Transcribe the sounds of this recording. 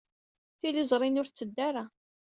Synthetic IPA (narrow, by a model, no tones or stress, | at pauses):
θilizˤɾˤinʊɾθt͡sːəd̪ːaɾa